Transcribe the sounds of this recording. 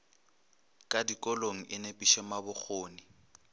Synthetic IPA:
kʼadikʼɔloŋ̩ʔɪnepʼiʃɛmabʊk͡xʰoːnɪ

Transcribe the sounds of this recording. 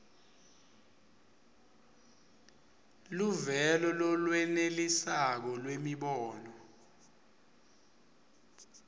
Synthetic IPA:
luvɛlɔlɔlwɛnelisak̬ɔlwemiɓɔːnɔ

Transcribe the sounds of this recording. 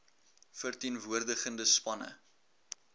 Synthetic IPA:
fərtiənvuərdəχəndəspɐnə̰

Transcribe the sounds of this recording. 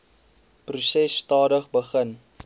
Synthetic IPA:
prusɛsːtɑːdəχbəχən

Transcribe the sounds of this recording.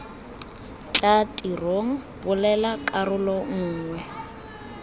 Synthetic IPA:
t͡ɬʼatʼiroŋ̩pʊlɛlakʼarʊlɔŋ̩ːŋwɛ

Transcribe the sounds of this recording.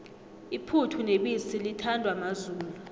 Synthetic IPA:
ipʰutʰuneɓisilitʰandʱwamazuːlu

